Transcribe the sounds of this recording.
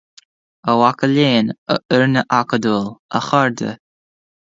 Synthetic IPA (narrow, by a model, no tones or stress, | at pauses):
əwakəleːnə̰ʔəɹnəʔakəd̪uːlə̰xaɹd̪ə̰